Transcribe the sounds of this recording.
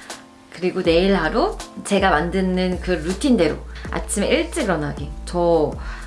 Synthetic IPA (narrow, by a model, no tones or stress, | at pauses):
kɯɾiɡone̞iɭɦaɾot͡ɕe̞ɡamandɯnɯnkɯɾutʰinde̞ɾoa̰t͡ɕʰimeʔiɭt͡ɕ͈iɡɯɾʌnɦaɡetʌ